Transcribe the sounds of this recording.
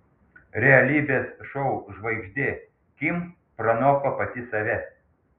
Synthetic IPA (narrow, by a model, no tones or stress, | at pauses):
ɾʲɛɐlʲiːbʲeːsʃɔʊʒʋɐɪɡʒʲd̪ʲeː | kʲim | pɾɐnoːkɐpɐt̪ʲɪsɐʋʲɛ